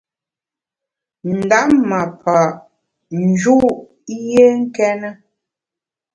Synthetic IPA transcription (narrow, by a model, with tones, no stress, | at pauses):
n̩˨da˦ʔma˨pʰa˨ | n˨d͡ʒu˦ʔ | je˦ŋ̩˦kɛ˦nə˦